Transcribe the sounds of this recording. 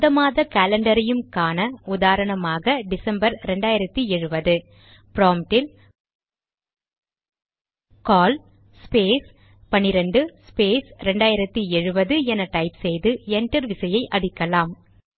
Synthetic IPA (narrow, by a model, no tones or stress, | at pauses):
ðɐmaːðɐkaːlɐɳɖɐɾɐjɯmkaːnɐʊðaːɾɐɳɐmaːɣɐɖɪsɐmbɐɾɾɛɳɖaːjɪɾɐt̪ːiɛɻɯbɐðɯ | pɪɾoːmʈɪl | kaːl | speːs | pɐnɪɾɐɳɖɯspeːsɾɛɳɖaːjɪɾɐt̪ːiɛɻɯbɐðɯɛnɐʈɐɪpsɛjðɯɛɳʈɐɾʋɪsɐjɐɪʔɐɽɪkːɐlaːm